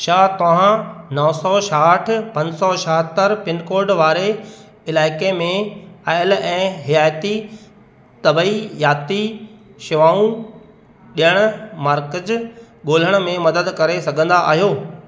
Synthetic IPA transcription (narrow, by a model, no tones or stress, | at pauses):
ʃaːt̪ɐʋ̤ãnɔːsɔʃaːʈʰpɐ̃ɲd͡ʑsɔʃɐɦət̪əɾpɪnkoːɾɖʋaːɾe | ɪlaːɪkemẽaːɪlɛ̃ːɦɪjaːjt̪i | t̪ɐbijaːt̪iʃɪʋaːũ | ɗijəɽ̃ʊmaːɾkəd͡ʑ | ɠoːl̤əɽ̃ʊ̆mẽmɐd̪əd̪kɐɾesɐɡʱə̃nd̪aʔa̰ːɦijoː